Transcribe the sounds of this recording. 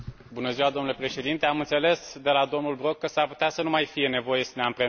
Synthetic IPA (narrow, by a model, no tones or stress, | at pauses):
bunəziwad̪o̞mnule̞pɾe̞ʃe̞d̪int̪e̞amɨnt̪se̞le̞sd̪e̞lad̪o̞mnulbɾo̞kːəsarpu̥t̪easənumajfije̞ne̞vo̞je̞səneampɾe